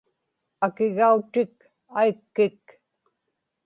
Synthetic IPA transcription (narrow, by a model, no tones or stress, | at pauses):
akɪɣaut̪ɪk | aikːɪk